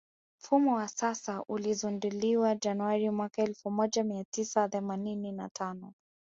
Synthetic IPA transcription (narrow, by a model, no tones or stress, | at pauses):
m̩fumɔwasasaʔulizunduliwad͡ʒanuwaɾimwakaɛlfumɔʄamiatisaθɛmaninina̰tʰanɔ